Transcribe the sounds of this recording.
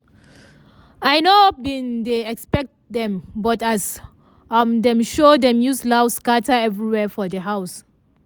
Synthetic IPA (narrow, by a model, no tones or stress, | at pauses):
ajnobĩndeɛkspɛk̚t̚dɛ̃mbɔtas | amdɛ̃mʃodɛ̃mjuslawskatəɛvɹiwɛfɔdəɦaws